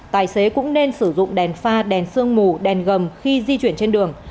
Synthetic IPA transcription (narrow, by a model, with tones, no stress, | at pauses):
t̪aː˨˩jse˨˦kʊ̰˧˥ŋ͡mne˧nsɨ˧˩zʊ̰˧˨ŋ͡mɗɛ˨˩nfaː˧ɗɛ˨˩nsɨ˧əŋmu˨˩ɗɛ˨˩nɣə˨˩mxi˧zi˧t͡ɕwi˧˩ənt͡ɕe˧nɗɨ˨˩əŋ